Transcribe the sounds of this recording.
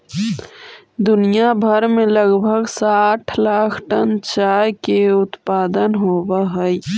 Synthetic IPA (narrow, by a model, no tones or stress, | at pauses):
d̪ʊnijabʱəɾmẽləɡbʱəɡsaːʈʰlaːkʰʈənt͡ʃaːjkeʊt̪paːd̪ənɦoːwaɦɛi